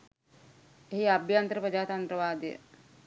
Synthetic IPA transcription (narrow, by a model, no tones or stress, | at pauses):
eɦiabʱjant̪ɾəpɾəd͡ʒaːt̪ant̪ɾəʋaːd̪ijə̰